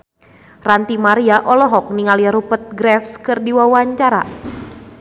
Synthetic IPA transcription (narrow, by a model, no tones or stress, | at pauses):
rant̪imaɾiaʔɔlɔɦɔk̚niŋaliaɾupət̪̚ɡɾɛfskɨrdiwawaɲt͡ʃaɾa̰